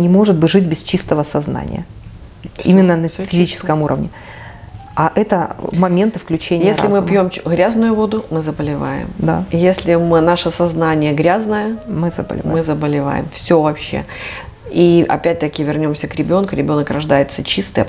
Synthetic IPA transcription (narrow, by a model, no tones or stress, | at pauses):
nʲɪmo̞ʐɨd̪̚bɨʐɨtʲbʲɪst͡ɕist̪əvəsɐzna̰nʲɪ̰jə̰ | ḭmʲɪnːənəfʲɪzʲit͡ɕɪ̥skəmuɾʔə̰vnʲɪ | aʔɛt̪əmɐmʲe̞nt̪ɨfklʲʉt͡ɕenʲjɪesʲllʲɪmɨpʲjo̞mɣɾʲaznʊjʊvo̞d̪ʊmɨzəbəlʲɪva̰jɪ̰md̪a̰jesʲlʲɪmɨnaʂəsɐznanʲɪjəɡɾʲaznəjəmɨzə̰bə̰lʲɪvmɨzəbəlʲɪva̰jɪ̰mfsʲovɐpɕːḛ | iʔɐ̰pʲæt̚ʲt̪əkʲɪvʲɪrnʲo̞msʲəkɾʲɪbʲo̞nkʊɾʲɪbʲo̞nəkrɐʐd̪ajɪt̪sət͡ɕist̪ɨjə